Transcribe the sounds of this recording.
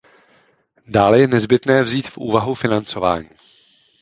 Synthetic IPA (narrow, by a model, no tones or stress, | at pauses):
daːlɛjɛnɛzbɪt̪nɛːvziːt̪fʔṵːvaɦufɪnant͡so̞va̰ːɲiː